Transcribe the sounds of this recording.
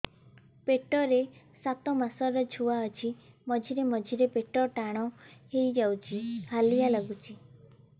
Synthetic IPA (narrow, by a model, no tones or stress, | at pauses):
peʈɔɾe | sat̪ɔmasɔɾɔd͡ʒʱuaɔt͡ʃʰimɔd͡ʒʱiɾemɔd͡ʒʱiɾepeʈɔʈaɽ̃ɔhejd͡ʒawt͡ʃʰihalijalaɡut͡ʃʰi